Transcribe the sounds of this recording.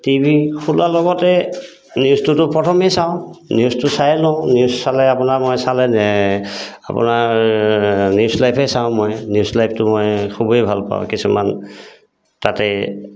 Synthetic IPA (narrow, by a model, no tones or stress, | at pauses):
tibʱixʰulalɔɡɔtɛ | niustʊtʊpɹɔtʰɔmɛjsãʊ̃niustʊsajlɔniusːalɛapʊnamɔjsalɛnɛ | a̰pʊ̰na | njiuslajpʰɛsaʊ̃mɔjnjuslajp̚ʰtʊmɔjkʰubejbʱalpa̰ʊ̰̃kisuma̰n | tatɛ